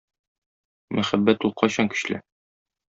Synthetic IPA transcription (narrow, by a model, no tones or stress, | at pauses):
mʔæχæbːæt̪ulˠqʰɑɕɑŋkɵ̥̆ɕlɘ̰